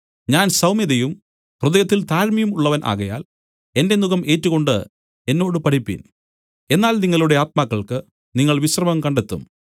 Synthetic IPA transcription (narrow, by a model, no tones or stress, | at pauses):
ɲaːnsɐwmiðɐjum | kruðɐjɐt̪ːilt̪aːɾmɐjumuɭːɐʋɐnʔa̰ːɣɐja̰ːl | e̞nde̞nuɣɐmʔe̞ːtːuɣo̞ɳɖɨ | e̞nːo̞ːɽɨpɐʈʰipːḭn | e̞nːaːlniŋːɐɭuɽe̞aːt̪̚maːkːɐɭkɨ | niŋːɐɭʋiɕrɐmɐmkɐɳɖet̪ːṵm